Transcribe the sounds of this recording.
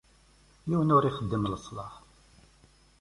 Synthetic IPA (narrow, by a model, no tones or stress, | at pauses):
jiwənʊɾiχəd̪ːəmləsˤlɑχ